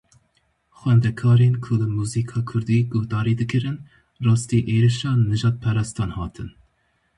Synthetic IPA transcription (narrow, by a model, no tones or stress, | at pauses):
xwɛnd̪ɛkʰɑːɾeːnkʰʊlɨmuːziːkʰɑːkʰʊɾd̪iːɡʊhd̪ɑːɾiːd̪ɨkɨɾɨn | rɑːst̪iːʔeːɾiʃɑːnɨʒɑːt̪̚pʰɛɾɑːst̪ɑːnhɑːt̪ʰɨn